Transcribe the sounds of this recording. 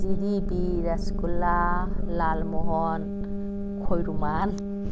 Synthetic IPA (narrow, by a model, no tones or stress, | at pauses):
ziɾibiɾaskulalalmɔɦɔn | kʰojɾuman